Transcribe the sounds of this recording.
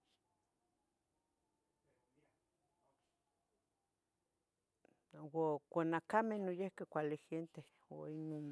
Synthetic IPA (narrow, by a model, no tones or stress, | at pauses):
wokʷanakamehnojehkekʷalixent̪e | oinon